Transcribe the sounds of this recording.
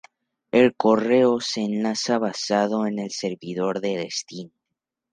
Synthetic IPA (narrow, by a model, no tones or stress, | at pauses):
e̞lko̞reoseːnlasaβasaðo̞e̞ne̞lse̞ɾβiðo̞ɾðe̞ðest̪in